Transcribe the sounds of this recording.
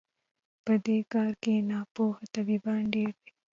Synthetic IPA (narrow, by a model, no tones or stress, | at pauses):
pɐd̪eːkaːɾkeːnaːpoːhɐt̪ɐbiːbaːɳɖeːɾbe̥